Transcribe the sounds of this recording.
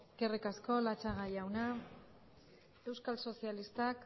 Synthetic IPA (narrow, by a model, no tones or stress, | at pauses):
kerikasko̞lat͡ʃaɣajawna | e̞wskalso̞sialist̪ak